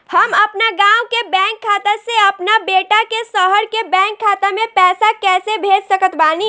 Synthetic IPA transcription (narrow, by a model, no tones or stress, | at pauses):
hɐmɐpnaɡãːwkebɛ̃ːŋkʰːaːt̪eseɐpnabeːʈakesɔːɦəɾkebɛ̃ːŋkʰːaːt̪amẽpɛːsakɛːsebʱeːd͡ʒsəkət̪baːni